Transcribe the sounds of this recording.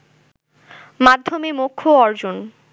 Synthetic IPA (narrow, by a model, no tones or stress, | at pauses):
mad̪ʱːomemokʰːoɔɾd͡ʑon